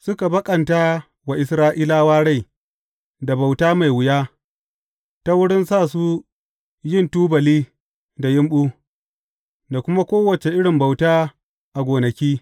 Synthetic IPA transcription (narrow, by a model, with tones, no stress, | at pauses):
sʊ˦ka˨bɐ˦kʼɐ˨nta˦ | wa˨ʔɪ˨sɾaː˦ʔiː˦laː˦waː˦ɽa˦˨j | da˨ba˨wtaː˦ma˨jwɪ˨ja˦ | ta˦wʊ˦ɽɪ˦nsaː˦˨su˦ | jɪ˦ntuː˦bɐ˨liː˦ | da˨jɪ˦mɓu˦ | da˨kʷʊ˦ma˦kʷoː˦wɐ˨t͡ʃe˨ʔɪ˦ɽɪ˨mba˨wtaː˦ | ʔa˨ɡʷoː˨nɐ˨kʲiː˦